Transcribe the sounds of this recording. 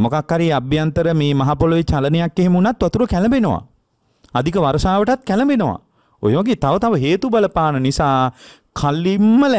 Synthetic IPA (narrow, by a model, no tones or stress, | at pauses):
mokakhaɾiabjant̪əɾəmeːmaɦapoloʋet͡ʃalənejakːeɦemunat̪ːʋat̪uɾəkælɐmbenoʋa̰ | ad̪ikəʋaɾəsaːʋəʈat̪̚kælɐmbenoʋa̰ | o̰jəʋaɡeːt̪aʋət̪aʋəɦeːt̪ubaləpaːnənisaː | kʰalːimːəl